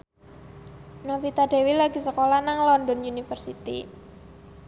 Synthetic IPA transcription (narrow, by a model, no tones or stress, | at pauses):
nafit̪aɖe̤wilaɡ̥i̤səkolanaŋlɔndɔnjunifərsit̪ḭ